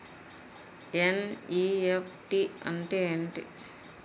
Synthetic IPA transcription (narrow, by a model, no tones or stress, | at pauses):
eniepʰʈiɐ̰ɳʈeːɳʈḭ